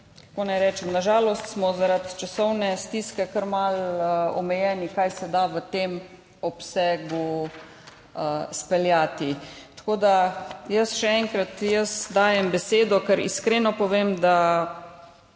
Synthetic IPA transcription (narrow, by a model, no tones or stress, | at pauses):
kkonajɾɛːt͡ʃɛmnaʒaːlɔst̪smɔzaɾat̪t͡ʃasɔwnɛst̪iːskɛkəɾmaləɔ̰mɛjɛːnikajsɛd̪aʋət̪em | ɔpsɛːɡu | əspɛljaːt̪it̪ḁkoːd̪ajəsʃɛɛŋkɾat̪jəsd̪aːjɛmbɛseːd̪ɔkəɾḭskɾeːnɔpɔʋemd̪a